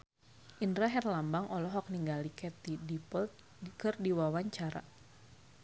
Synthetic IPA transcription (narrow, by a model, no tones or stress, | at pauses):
ʔindɾaɦɛrlambaŋʔɔlɔɦɔk̚niŋɡalikɛt̪̚idipɔlt̪̚ | kɨrdiwawaɲt͡ʃaɾa̰